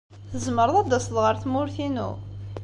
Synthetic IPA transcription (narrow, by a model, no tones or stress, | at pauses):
θəzməɾˤəðˤɑd̪ːɑsðʁəɾθmʊɾθinṵ